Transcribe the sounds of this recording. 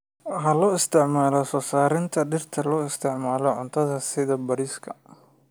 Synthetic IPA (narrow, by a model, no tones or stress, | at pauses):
ɦɐlɔːɪst̪ʰɪʕmaːlɔsɔːsaːɾɪnt̪ʰɐɖɪrt̪ʰɐlɔːɪst̪ʰɪʕmaːlɔʕʊnt̪ʰɐðɐsɪðɐbɐɾiːskʰɐ